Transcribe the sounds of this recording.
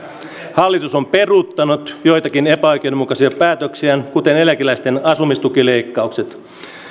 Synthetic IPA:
hɑlːit̪uso̞mpe̞rut̪ːɑnut̪jo̞jt̪ɑkine̞pæojk̟edomukɑsiɑpæːt̪øksiænkut̪e̞nelækilæjst̪e̞nɑsumist̪ukile̞jkːɑukset̪

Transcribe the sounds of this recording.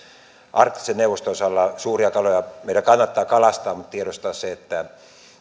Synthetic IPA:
ʔɑrt̪ːi̥seneuʋost̪osɑlːɑsuːriɑkɑlojɑmeˑit̪ækɑnːɑt̪ːɑːkɑlɑst̪ɑːmut̪t̪ieɾost̪ɑːsseet̪ːæ

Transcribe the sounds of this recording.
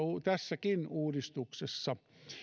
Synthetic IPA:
ut̪æsːækinuːdist̪uksesːɑ

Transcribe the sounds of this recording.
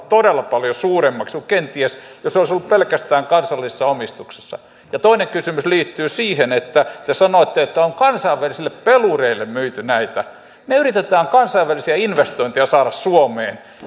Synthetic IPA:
t̪odelːɑpɑljosuːremːɑkskukkent̪iesjosoˑlisolːuppelkæst̪æːŋkɑnsɑlːise̥sːɑomist̪ukse̥sːɑ̰ | jɑt̪oineŋkysymysliːt̪ːyːsiːhenet̪ːæt̪esɑnoˑet̪ːeet̪ːæoŋkɑnsɑiʋʋælisilːeppelureilːemmyit̪ynæit̪æ | neyrit̪et̪æːŋkɑnsɑiʋʋælisiæinʋest̪oint̪ejɑsɑːɾɑssuomḛːn

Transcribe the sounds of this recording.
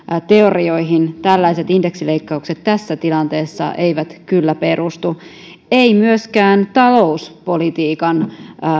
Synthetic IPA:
t̪eorioiɦint̪ælːæiset̪ind̥eksileikːɑukset̪t̪æsːæt̪ilɑnt̪eːsːɑ̰ʔeiʋæt̪kylːæpe̞ɾʔust̪u | eimyøskæːnt̪ɑlouspolit̪iːkɑn

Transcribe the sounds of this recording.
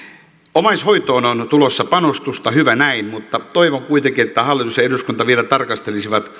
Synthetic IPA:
omɑishoit̪oːnont̪ulosːɑpɑnost̪ust̪ɑhyʋænæinmut̪ːɑt̪oiʋoŋkuit̪eŋkiet̪ːæhɑlːit̪usjɑeɾuskunt̪ɑʋielæt̪ɑrkɑst̪elisiʋɑt̪

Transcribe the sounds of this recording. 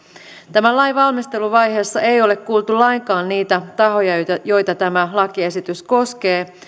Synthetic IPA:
t̪æmælɑjʋɑlmist̪e̞luʋɑjɦe̞ːsːɑe̞jo̞le̞kkuːlt̪ulɑjŋkɑːnniːt̪æt̪ɑɦo̞jɑjo̞jt̪ɑt̪æmælɑkie̞sit̪ysko̞ske̞ː

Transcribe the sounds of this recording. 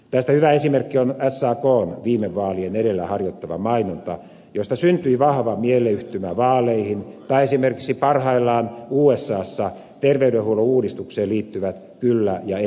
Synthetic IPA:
t̪æst̪æhyʋæesimerkːionæsːɑːkoːnʋiːmeʋʋɑːlieneɾelːæhɑrjot̪ːɑʋɑ̰mɑinont̪ɑ̰ | jost̪ɑsynt̪yiʋɑhʋɑmieleyht̪ymæʋɑːlˑeihint̪ɑiesimerki̥ksipɑrhɑilːɑːnuːesːɑːsːɑ | t̪erʋeyɾehuolouːdist̪ukseːliːt̪ːyʋæt̪ | kylːæjɑ

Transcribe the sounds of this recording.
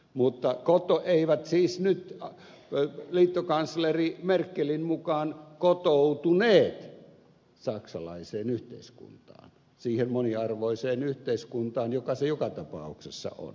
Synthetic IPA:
mut̪ːɑkot̪oʔeiʋæt̪siːsnyt̪ | liːt̪ːokɑnslerimerkːelinmukɑːnkot̪out̪uneːt̪ | sɑksɑlɑ̰iseːnyht̪ḛˑiskṵnt̪ɑ̰ːn | siːhemmoniɑrʋoiseːnyht̪eiskunt̪ɑːnjokɑsejokɑt̪ɑpɑ̰ˑuksesːɑ̰ʔo̰n

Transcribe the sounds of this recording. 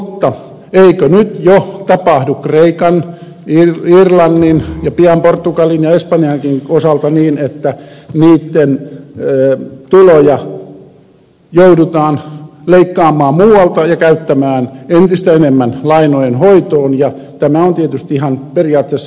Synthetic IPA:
t̪ːɑ | eikønyt̪jot̪ɑpɑhdukkreikɑn | irirlɑnːinjɑpiɑmport̪ːukɑlinjɑespɑnijɑŋkinosɑlt̪ɑniːnet̪ːæniːt̪ːenː | t̪ulojɑ | joudut̪ɑːnleikːɑːmːˑɑːmmuːwɑlt̪ɑjɑkæyt̪ːæmæːnent̪ist̪æenemːænlɑinojenhoit̪oːnjɑ | t̪æmæont̪iet̪yst̪iihɑnperiɑːt̪ːesː

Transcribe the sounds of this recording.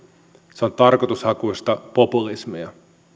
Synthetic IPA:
seont̪ɑrko̞t̪ushɑkuist̪ɑpo̞pulismijɑ

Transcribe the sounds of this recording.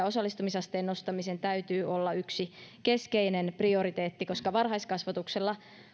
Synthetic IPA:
osɑlːist̪umisɑst̪eːno̞st̪ɑmisent̪æyt̪yːʔolːɑyksikeskeinenprio̞ɾit̪eːt̪ːiko̞skɑʋɑrɦɑjskɑsʋɑt̪ukselːɑ

